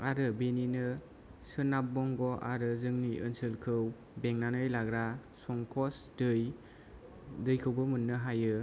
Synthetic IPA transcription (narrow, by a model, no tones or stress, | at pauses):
aɾɯbeninɯ | sɯnap̚ːɔŋɡɔʔaɾɯzɯŋniʔɯnsɯlkʰɯw | beŋnanɯjlaɡɾasɔŋkʰɔsdɯj | dɯjkʰɯwbɯmunːɯɦajɯ